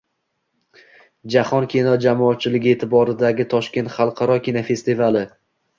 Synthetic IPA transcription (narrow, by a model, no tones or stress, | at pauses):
d͡ʒahɒnkʲʰinɒd͡ʒamɒːt̪̚t͡ʃʰɪlɪɡʲɪe̞ːt̪ʰɪbɒɾɪd̪aɡʲɪt̪ʰɒʃkʲe̞nt̪χɑlˠqʰɑɾɒkʲinafest̪ɪvalɪ